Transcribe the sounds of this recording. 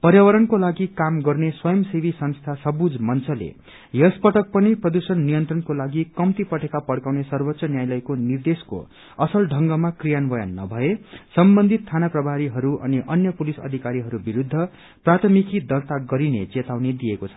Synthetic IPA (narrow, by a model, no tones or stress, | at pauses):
pʌɾjawʌɾʌnkolaɡikamɡʌrneswʌjʌmsibʱisʌnst̪ʰasʌbud͡zmʌnt͡sʰʌlḛ | jʌspʌʈʌk̚pʌniprʌd̪usʌnːijʌnt̪rʌnkolaɡikʌmt̪ipʌʈekapʌɽkawnesʌrbʌt̪sʌnjajlʌjkonird̪esko̰ | ʌsʌlɖʱʌŋɡʌmakrijanbʌjʌ̰nːʌ̰bʱʌesʌmbʌnd̪ʱit̪ʰːanaprʌbʱaɾiɦʌɾuʔʌ̰niʔʌnjʌpulisʌ̰d̪ʱikaɾiɦʌɾubiɾud̪ʱːʌ | prat̪ʰʌmikid̪ʌrt̪aɡʌɾinet͡set̪awned̪ijekot͡sʰʌ̥